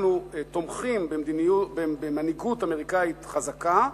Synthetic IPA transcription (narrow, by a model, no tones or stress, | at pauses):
nut̪omχimbemd̪iniubebemaniɡutameʁikait̪χazaka